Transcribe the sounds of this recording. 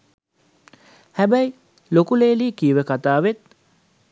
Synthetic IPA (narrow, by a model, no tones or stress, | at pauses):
hæbæi | lokuleːliːkiːʋəkat̪aːʋet̪̚